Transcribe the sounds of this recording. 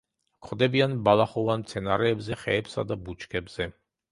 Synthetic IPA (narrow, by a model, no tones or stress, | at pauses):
kʰχʰwd̪ɛbianbalaχɔvanmt̪sʰɛnaɾɛːbzɛχɛ̰ːpsa̰d̪abut͡ʃʰkʰʼɛbz̥ɛ